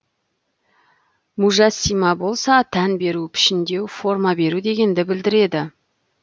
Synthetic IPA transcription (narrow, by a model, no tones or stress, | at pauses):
muʒɑsːijmɑbo̞lˠsɑt̪ʰænbe̞ɾupʰɪ̥ʃɪnd̪e̞wfo̞rmɑbe̞ɾud̪e̞ɡʲe̞nd̪ɪbɪld̪ɪɾe̞d̪ɪ